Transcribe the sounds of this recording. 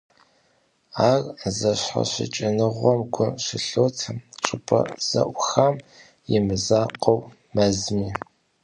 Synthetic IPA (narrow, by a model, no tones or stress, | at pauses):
aːrzɐɕħa̰ɕɪ̰t͡ʃʼɪnɨʁʷɔmɡʷʊɕɪɬoːtʰɐmʈ͡ʂʼɪpʰɐ̰z̥ɐ̰ʔʷxam | jɪmɨzaːqɐw | mɐzmiː